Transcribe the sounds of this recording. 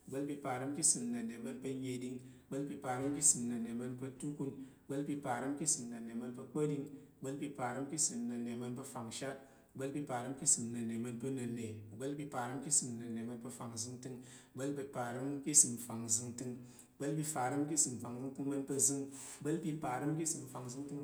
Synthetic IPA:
ɡ͡bə˦lpi˧pa˨ɾə˦mki˦sɨ˨mnə˨ne˨mə˧npə˧ɲe˧di˧ŋ˨˦ɡ͡bə˦lpi˧pa˨ɾə˦mki˦sɨ˨mnə˨ne˨mə˧˦npə˧tu˦ku˧n˨ | ɡ͡bə˦lpi˧pa˨ɾə˦mki˦sɨ˨mnə˨ne˨mə˧npə˧k͡pə˦di˧ŋ˨ɡ͡bə˦lpi˧pa˨ɾə˦m˦ki˦sɨ˨mnə˨nːe˨mə˧npə˧fa˨ŋʃa˦t̚ | ɡ͡bə˦lpi˧pa˨ɾə˦mki˦sɨ˨mnə˨ne˨mə˧npə˧nə˨ne˨ɡ͡bə˦lpi˧pa˨ɾə˦mki˦sɨ˨mnə˨ne˨mə˧npə˧fa˨ŋzɨ˧ŋtɨ˧ŋ˨ɡ͡bə˦lpi˧pa˨ɾə˦mki˦sɨ˨m˨fa˨ŋzɨ˧ŋtɨ˧ŋ˨ | ɡ͡bə˦lpi˧fa˨ɾə˦mki˦sɨ˨m˨fa˨ŋzɨ˧ŋtɨ˧ŋmə˧npə˧zɨ˧ŋ˨ɡ͡bə˦lpi˧pa˨ɾə˦mki˦sɨ˨m˨fa˨ŋzɨ˧ŋtɨ˧ŋ

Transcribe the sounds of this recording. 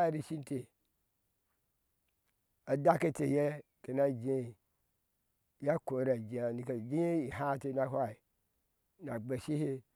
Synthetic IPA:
ɾi˦ʃi˦n˦te˨ | a˨da˦ke˦te˨je˦ | ke˨na˦d͡ʒe˦˨ | ja˦ko˨˦ɾa˨d͡ʒe˨a˨ni˨ke˨d͡ʒi˦je˦i˨ha˦te˨na˦hʷa˦i˨ | na˨ɡ͡be˨ʃi˦he˦

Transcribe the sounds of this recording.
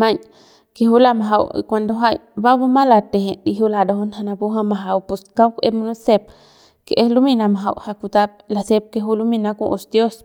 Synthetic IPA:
ma˧ɲ | keɦu˦la˧ma˨ɦa̰˧wḭkʷa˧nd̪o˧ɦa˦j | ba˦bo˦ma˦la˧t̪e˨he˨i˧ɦu˦la˧d̪o˧ɦo˦nɦa˧na˧bu˦ɦa˧ma˨ɦa˧wpu˧ska˦wke˦mo˦nu˦se˧p̚ | ke˨ʔe˦lu˦mi˧na˧ma˨ɦa˧wha˧ku˧t̪a˦p̚la˧se˦p̚ke˧ɦu˦lu˦mi˧na˧ku˧ʔo˧sd̪jo˦s

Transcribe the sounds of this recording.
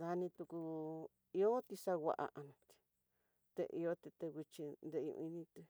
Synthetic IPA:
ða˧nĩ˧t̪u˧ku˧ | i˧o˦t̪i˧sa˧ɣʷa̰˧ʔa̰˧ʔa˧nũ˧t̪i̥˧ | t̪ḛ˧ʔḭ˧o˦t̪i˧t̪e˧ɣʷi˧t͡ʃi˧nd̪ẽ˧ṵ̃˧ĩ˧nĩ˧t̪e˧

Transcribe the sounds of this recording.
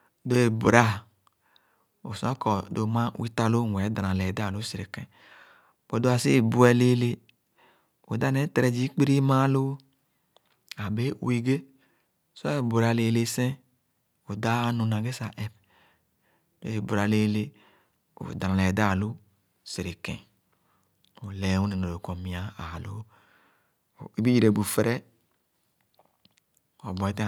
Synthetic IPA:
do˦e˨bu˨ɾa˦ | o̰˨sa˦kɔ˨do˨mã˦wi˦ta˦lo˦˨ŋʷ˨ɛ˨˦da˨ɾã˨lɛ˨da˦˨lo˦se˨ɾe˨kɛ̃˦ | we˨do˦a˨si˦˨bu˦ɛ˦le˦le˦ | o˨da˦ne˦tɾɛ˨d͡ʒi˦k͡pi˦ɾi˦mã˦lo˦ | a˨be˦wi˦ɡe˦ | se˨bu˨ɾa˨le˨le˨sɛ̃˦ | o˨da˦nũ˨nã˨ɡe˦sa˨ʔɛ˦p | bḛ˦i˨bo˨ɾa˨le˦le˦ | o̰˨da˨ã˨e˨da˦˨lu˦ | se˨ɾe˨kɛ̰̃˨ | o˨le˨˦wu˦ne˨no˨lo˨kɔ̃˨mĩ˨a˨a˨lo˦˨ | e˨˦bi˦d͡ʒi˦ɾe˨bu˨fe˦ɾɛ˦ | ɔ̰˨bɔ˨e˨˦te˦˨

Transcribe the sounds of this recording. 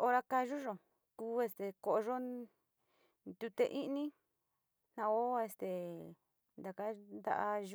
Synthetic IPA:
o˧ɾa˧ka˧ʒu˦ʒo˨ | kuː˧˦e˧st̪e˨ko˧ʔo˧ʐo˦ | nd̪u˧t̪e˧ʔĩ˦nĩ˦ | nã˧o˦e˧˨st̪e˨ | nd̪a˨ka˦nd̪a̰˧ʔa˧ʒ

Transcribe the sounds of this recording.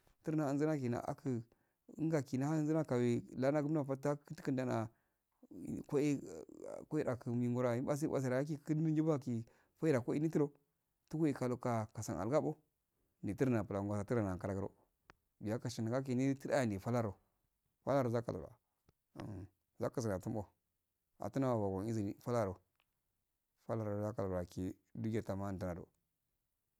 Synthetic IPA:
tə˦ɾa˨˦a˨nzə˦na˦ki˨na̰˨ʔa̰˨kʰə˦˨˦ | ŋɡa˨ki˨na˦ha˦nzə˦na˦ka˨wi˨la˦na˦ɡu˦m˦a˦fa˦ta˦kti̥˦kə˦nda˨na̰˨ | ko˦i˦˨ko˦i˦ɾa˨kə˨mi˨ŋɡo˦ɾa˨i˦ba˦s̬i˦a̰˨s̬a˨ɾa˨a˦k̬i˦˨˦i˦dmi˦d͡ʒi˦ba˦ki˨ | fa˦i˦ɾa˨ko˦i˦ni˦ti˦ɾo˦ | tu˦ku˦i˨ka˨lo˨ka˨ka˨sa̰˨na̰˨lɡa˦bo˦ | ni˨ti˦ɾna˨pu˨la˨ɡʷa˨sa˨ti˦ɾa˨na˨ka˨ɾa˨ɡə˦ɾo̰˦ | bi˨ja˦ka˨ʃi˨na˨ɡa˦k̬i˨ni˦ti˦ɾa˦a˨ndi˨fa˦la˦ɾo˨ | fa̰˦la˦ɾo˨za˦ka̰˨lo̰˨ɾa̰˨ | m˨ | za˦ka˨s̬i˨na˨tu˦mbo˦ | a̰˨tu˦na˦wa˨wa˨ɡo˨i˦zi˨ni˨fa˦la˦ɾo˨ | fa˦la˦ɾo˨za˦ka˨lo˨ɾa˨ki˨ | du˦ɡa˨ta˨ma˦˨n˨ta˦na˨do̰˨

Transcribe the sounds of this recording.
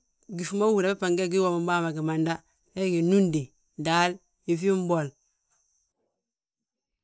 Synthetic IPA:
ɡi˨fu˨˦ma˦wu˨ɾa˨bi˦pa˨ŋɡe˦˨ɡi˦wo˨mi˨m˦ba˦˨ma˨ɡi˨ma˨nda˦ | e˦ɡi˨nu˦ndi˨ | da˦l | i˨fi˦m˦bo˨l

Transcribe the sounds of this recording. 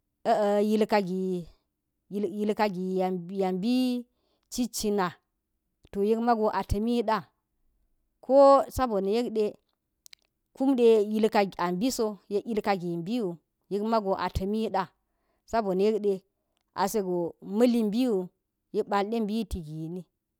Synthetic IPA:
ə˦ə˨ji˦lka˨ɡi˨˦ | ji˦lka˦ɡi˨ja˨mbi˦ | t͡ʃi˦t͡ʃi˦na˨ | to˨je˦kma˦ɡo˨ʔa˨tɐ˨mi˦ɗa˦ | kʰo˦sa˦bo˨n˨je˦kɗe˦ | ku˦mɗe˦ji˦lka˨a˨mbi˦so˦je˦i˦lka˨ɡi˨mbi˦wu˨ | ji˦kma˦ɡo˨ʔa̰˨tʰɐ˨mi˦ɗa˦ | sa˦bo˨n˨je˦kɗe˨ | ʔa̰˨se˦ɡo˨mɐ˦li˦mbi˦wu˨ | ji˦kba˨lɗe˦mbi˦ti˨ɡi˨jni˦

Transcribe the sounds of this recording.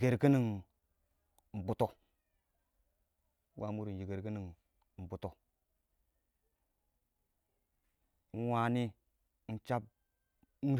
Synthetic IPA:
ɡe˨ɾki˦ni˨ŋ˨ | m̩˨bu˨to˨˦ | wa˨mu˦ɾi˨n˨d͡ʒi˨ɡe˨ɾki˦ni˨ŋ˨ | m̩˨bu˨to˨ | n̩˦wa˦ni˦ | n̩˦t͡ʃa˦b̚ | n̩˦

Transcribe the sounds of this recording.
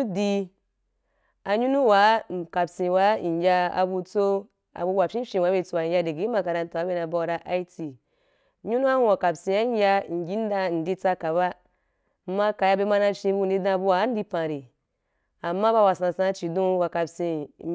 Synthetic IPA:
u˦di˧ | a˧ɲu˦nũ˦wa˨˦˨ka˨bsĩ˨wa˨˦˨jʲa˧a̰˧bu˧t͡so˧ | a̰˨bu˧wa˨fʲĩ˦fʲĩ˧wa˨˦be˧t͡so˧wa˨ɲ˦ja˧de˨ɡi˨˦ma˧ka˧ɾa˧n˦ta˨a˨˦be˧˦na˧ba˧a˧ɾa˧ʔa˦i˦ti˨ | ɲu˦nu˦a˦hũ˧wa˨ka˨bsĩ˧a˦jʲa˧˨ŋ̩˨ɡʲi˦n̩˦da˧˨n̩˨di˧t͡sa˧ka˨ba˦˨ | ma˦ka˨ja˧be˧ma˧˦na˧fʲĩ˧˦bu˧˨di˧˦dã˧˨bu˧wa˨˦n̩˦di˧pã˨ɾi˨ | a˨mːa˦ba˧wa˨sã˧˨sã˧˦t͡ʃi˨dũ˦wa˨ka˨bsĩ˧˦

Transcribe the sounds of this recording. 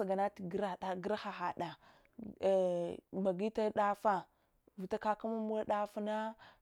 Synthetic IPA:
a˨ɡa˨na˦ti˨ɡɾa˨ɗa˨ɡi˦ɾa˦xa˨xa˨ɗa˨ | ma˨ɡi˦ta˦ɗa˦fa˦˨ | vi˨ta˦ka˦ka˦ma˦mu˦a˦ɗa˦fa˦na˦

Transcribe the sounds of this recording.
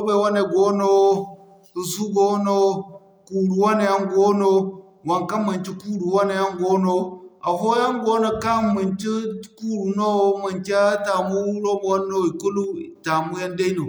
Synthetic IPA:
o˦ba˨wa˦ne˨ɡo˦no˦ | i˨su˦ɡo˦no˦ | ku˨ɾu˨wa˦ne˨ja˦ŋɡo˦no˦ | wa˨ŋka˦mːə˨nt͡ʃi˦kuː˦ɾu˨wa˦ne˨ja˦ŋɡo˦no˦a˨vo˦ja˦ŋɡo˦no˦ka˦˨mi˨nt͡ʃi˦ku˦ɾu˨no˦ma˨nkʲa˦ta˨mu˦lo˦bo˨wa˦nːo˦i˨ku˦lu˦˨ta˨mu˦ja˦nda˦i˦no˨

